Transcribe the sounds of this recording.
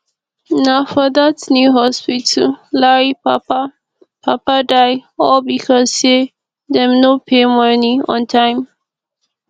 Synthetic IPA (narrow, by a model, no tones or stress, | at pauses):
nafəd̪atnjuɦɔspitʰəlaɹipapa | pʰapadajɔbikʰɔse | d̪ɛmnopʰemʌniɔ̰̃ntʰajm